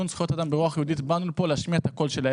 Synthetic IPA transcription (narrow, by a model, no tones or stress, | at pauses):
unsχojot̪ad̪ambeʁuaχjehud̪it̪banulpoleaʃmijaet̪hako̞lʃela